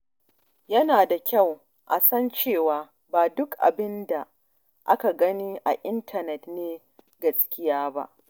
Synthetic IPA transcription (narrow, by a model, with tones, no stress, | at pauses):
jɐ˦naː˨da˨kʲa˦˨w | ʔa˨sɐ˦nt͡ʃeː˦˨waː˨ | baː˨dʊ˦kʔa̰˨bɪ˦nda˨ | ʔa˦ka˨ɡɐ˦niː˦ʔa˨ʔɪ˦ntʰɐ˨nɛ˨tneː˦ | ɡɐ˦skʲɪ˦jaː˦ba̰˦ʔ